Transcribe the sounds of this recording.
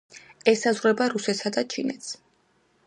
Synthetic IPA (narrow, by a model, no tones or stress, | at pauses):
ɛsazʁɾɛbaɾusɛt̪sad̪at͡ʃʰḭnɛt̪s